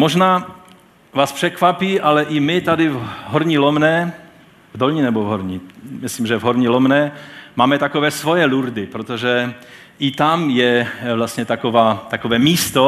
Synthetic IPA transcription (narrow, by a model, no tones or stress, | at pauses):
moʒnaː | vaːspr̥ɛkvapiːʔalɛʔɪmɪt̪ad̪ɪvɦoɾɲilomnɛː | vd̪olɲinɛbovɦoɾɲimɪsliːmʒɛvɦoɾɲilomnɛːmaːmɛt̪akovɛːsvojɛluɾd̪ɪpɾot̪oʒɛʔɪt̪amjɛvlast̪ɲɛt̪akovaːt̪akovɛːmiːst̪o